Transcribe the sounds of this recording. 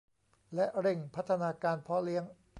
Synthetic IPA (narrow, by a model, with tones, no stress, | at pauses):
lɛ˦˥ʔɾe˧˩ŋpʰa˦˥t̪ʰːa˧naː˧kaː˧npʰɔ˦˥li˦˥əŋ